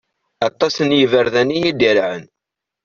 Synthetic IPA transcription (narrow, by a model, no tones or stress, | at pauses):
ɑt̪ˤːɑsənjəvəɾðænːijid̪iɾʕən